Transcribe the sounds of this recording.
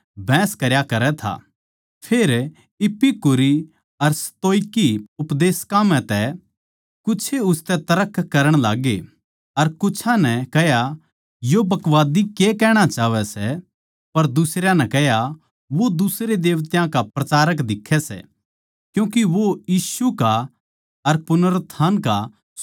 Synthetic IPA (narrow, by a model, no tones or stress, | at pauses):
bʱɛ̃ːskɐɾjakɐɾɛt̪ʰa̰ | pʰeːɾ | ɪpːikʊɾi | ɐɾsɐ̥t̪oːɪkiʊpd̪eːskãmɛ̃t̪ɛ | kʊːt͡ʃʰeʊst̪ɛt̪ɐɾəkʰːkːɐɾəɽ̃laːɡe | ɐɾkʊt͡ʃʰãnɛkɛɦja | jobɐkʋaːd̪ikekɛːɽ̃at͡ʃaːʋɛsɛ | pɐɾd̪ʊsɾjãnɛkɛɦja | ʋod̪ʊsɾed̪eːʋt̪jãkapɾɐt͡ʃaːɾək̬d̪ɪkʰːɛsɛ̰ | kjũːkiʋojiːsuka | ɐɾpʊnəɾt̪ʰːaːnka